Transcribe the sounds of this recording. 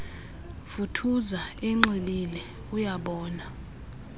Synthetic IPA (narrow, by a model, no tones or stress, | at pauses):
futʰuzaɛŋ͡ǁililɛ | ujaɓɔːna